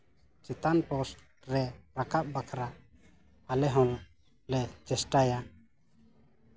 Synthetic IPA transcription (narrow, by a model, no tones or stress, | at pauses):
t͡ʃɛt̪anpɔsʈ | ɾɛɾakap̚bakʰɾaʔ | alɛɦɔ̃l | lɛt͡ʃɛsʈaja